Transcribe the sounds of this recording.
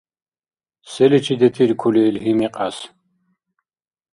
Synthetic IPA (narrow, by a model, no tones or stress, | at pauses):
sɛlit͡ʃʰid̪ɛt̪ʰiɾkʰuliːlɦimiqʼas